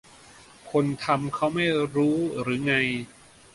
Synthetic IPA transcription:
kʰo˧nt̪ʰa˧mkʰa˦˥wma˥˩jɾuː˦˥ɾɯː˩˦ŋa˧j

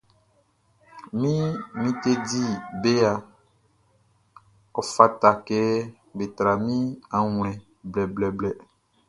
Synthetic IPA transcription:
mĩ˦mĩ˦t̪e˦di˦be˦a˨ | ɔ˨fa˦ta˨kɛ˦ | be˨t̪ɾa˨mĩ˦a˨ŋ˨lɛ̃˨ | blɛ˨blɛ˨blɛ˨

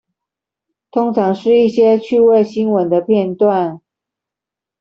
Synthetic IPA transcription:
t̪ʰʊ˥ŋʈ͡ʂʰɑ˧˥ŋʂɻ̩˥˧i˥˩ɕjɛ˥t͡ɕʰy˥˧we˥˧ɪɕi˥nwə˨˦nd̪ə˧pʰjɛ˥˧nt̪wa˥˨n

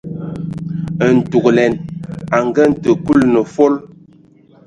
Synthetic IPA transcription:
ə˨n̩˨tu˨klɛ˨na˨ŋɡə˦n̩˨tə˨ku˦lnə˨fo˦l

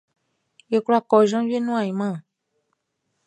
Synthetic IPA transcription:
je˨ku˦la˦kɔ˨ʒã˦vi˦e˦nũ˦ã˨i˨mã˦˨

